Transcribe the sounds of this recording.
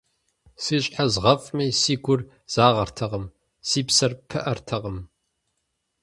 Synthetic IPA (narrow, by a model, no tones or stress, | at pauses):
siːɕʼħazʁɐfʼmiːsiːɡʷʊr | z̥aːʁɐrtʰɐʁəm | siːpsɐrpʰɨʔɐrtʰɐʁəm